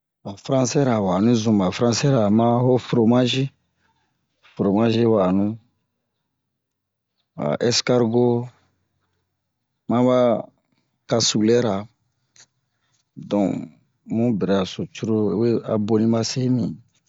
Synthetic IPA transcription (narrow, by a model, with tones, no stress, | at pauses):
a˨fɾã˦sɛ˦ɾa˨wa˨nũ˦zũ˨ma˨fɾã˦sɛ˦ɾa˨mã˦ɦo˦fɾo˨mã˦ʒi˦ | fɾo˨mã˦ʒi˦wa˨nũ˦ | a̰˨ʔɛ˦ska˦ɾɡo˦ | mã˦ba˦ | ka˨su˨lɛ˦ɾa˨ | dɔ̃˨ | mũ˦bɛ˨ɾɛ˨a˨so˨t͡ʃu˦ɾo˦e˦we˦a̰˨bo˦nĩ˦ma˦se˦nĩ˨